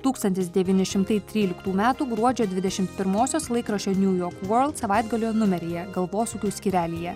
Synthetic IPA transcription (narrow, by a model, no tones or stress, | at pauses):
t̪uːkst̪ɐnʲt̪ʲɪsd̪ʲɛʋʲiːnʲɪʃʲɪmt̪ɐɪt̪ʲɾʲiːlʲɪkt̪uːmʲæːt̪uːɡɾuɔd͡ʒʲoːd̪ʲʋʲɪd̪ʲɛʃʲɪmt̪pʲɪɾmoːsʲoːslˠɐɪkɾɐʃʲoːnʲuːjoːɾkʋɜɾlˠt̪sɐʋɑɪd̪ɡɐlʲoːnʊmʲɛɾʲɪjɛɡɐlˠʋoːsukʲuːsʲkʲiːɾʲæːlʲiːjɛ